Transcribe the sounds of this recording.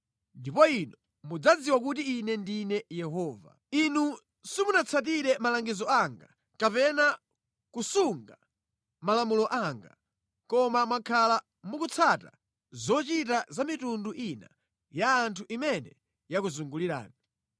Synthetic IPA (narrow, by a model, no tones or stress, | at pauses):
ndipɔinɔ | mud͡zad͡ziwak̬ut̬iːnɛndinɛjɛɦɔːva̰ | inu | simunat͡sʰat̬iɾɛmalaŋɡizɔaŋɡa | kapɛna | kusuŋɡa | malamulɔʔaŋɡa̰ | kɔmamwakʰala | mukut͡sʰata̰ | zɔt͡ʃitazamitunduʔina̰ | jaːntʰuʔimɛnɛ | jakuzuŋɡuliɾa̰ːni